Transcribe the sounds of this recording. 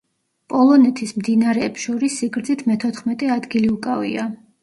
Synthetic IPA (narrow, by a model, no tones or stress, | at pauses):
pʼɔlˠɔnɛt̪ʰismd̪inaɾɛːpsʃɔɾisːiɡɾd̪zit̪ʰmɛt̪ʰɔt̪χmɛt̪ʼɛad̪ɡiliukʼavḭa